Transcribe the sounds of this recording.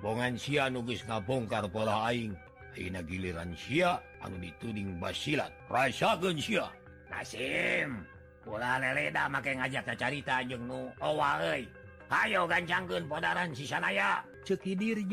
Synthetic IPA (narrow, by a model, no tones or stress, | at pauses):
bɔŋansianuɡəsŋapɔŋkarpolaɦaiŋ | aḭnaɡiliɾa̰nsia | a̰nudit̪udiŋba̰sila̰t̪̚rasakənsia | na̰sim | polaleledamakaŋad͡ʒak̚tat͡ʃaɾit̪ad͡ʒɨŋnuowaəi | hajoɡaɲt͡ʃaŋkənpodaɾansisanaja | t͡ʃəkidird͡ʒ